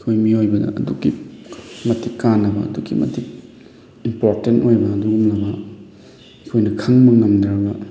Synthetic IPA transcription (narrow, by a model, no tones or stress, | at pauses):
ikʰojmiojbɐdɐ̰ɐ̰duɡi | mɐtikːanːɐbɐ̰ɐ̰duɡḭmɐ̰tik̚ | impoɾtentojbɐːduɡumlɐbɐ | ikʰojnɐkʰɐŋmɐŋɐmdɾɐbɐ